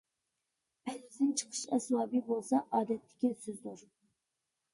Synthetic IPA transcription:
pʰɛlid̪ɪnt͡ʃʰə̥qʰə̥ʃɛsmɑːbibolˠsɑʔɑːd̪ɛt̪ːɪ̥kʲisøzd̪luɾ

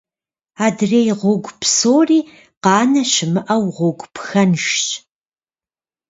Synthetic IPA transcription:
aːdreːjʁʷʊɡʷpsoːriː | qɑːnɐɕɪmɨʔɐwʁʷʊɡʷpxɐnʂt͡ʃʼ

